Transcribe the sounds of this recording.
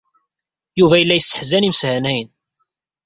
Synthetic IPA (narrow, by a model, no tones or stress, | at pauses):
juvæjəlːæjəsːə̥ħzænimshænæjn